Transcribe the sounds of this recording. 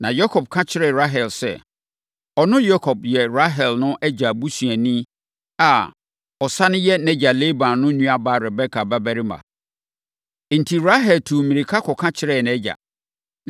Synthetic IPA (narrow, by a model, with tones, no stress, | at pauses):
nã˨jɔ˦kʰɔ˨b̚kʰã˦t͡ɕʰɪ˦ɾɛ˨ɾa˦ɦɛ˨lsɛ̰˨ | ɔ˨nʊ̃˦jɔ˦kʰɔ˨b̚jɛ˨ɾa˦ɦɛ˨lnʊ̃˦ʔɛ˦d͡ʑa˨bu˦sɥɛ˨nĩ˦ | a˨ | ɔ˨sa˦nɪ̃˦jɛ˦nɛ̃˦d͡ʑa˨le˦bã˨nnʊ̃˦ɲũ˦a˨ba˦˨ɾɛ˨bɛ˦kʰa˨ba˦bɛ˦ɾi˦mã̰˨ | n̩˨tʰi˨ɾa˦ɦɛ˨ltʰu˨mĩ˨ɾi˨kʰa˦kʰɔ˨kʰã˦t͡ɕʰɪ˦ɾɛ˦˨n˨ɛ˦d͡ʑa̰˨